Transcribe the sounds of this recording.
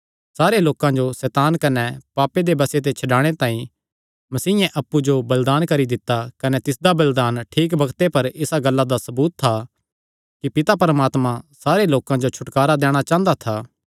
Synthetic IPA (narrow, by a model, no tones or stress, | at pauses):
saːɾeloːkãd͡ʒosɛːt̪aːnkɐnɛpaːped̪ebɐset̪̬et͡ʃʰɐɖaːɽ̃et̪ãːĩ | mɐsiːɛ̃ʔɐpːud͡ʒobɐld̪aːnkɐɾid̪ɪt̪ːakɐnɛt̪ɪsd̪abɐld̪aːnʈʰiːk̬bɐɡt̪epɐɾɪsaɡɐlːad̪asɐbuːt̪ʰːa | kipɪt̪apɐɾmaːt̪mãsaːɾeloːkãd͡ʒot͡ʃʰʊʈkaːɾad̪ɛːɽ̃at͡ʃãːnd̪at̪ʰaː